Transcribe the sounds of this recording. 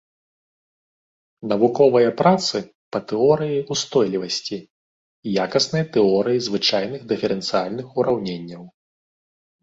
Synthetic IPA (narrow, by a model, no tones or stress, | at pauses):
nɐvukɔvɐjɐpɾat̪sɨ | pɐt̪ɛɔɾɨjiust̪ɔjlʲivɐsʲt͡sʲiː | jakɐsnɨjɐt̪ɛɔɾɨjizvɨt͡ʂajnɨɣd̪ɨfʲɛɾɛnt̪sɨjalʲnɨxuɾawnʲenʲːɐw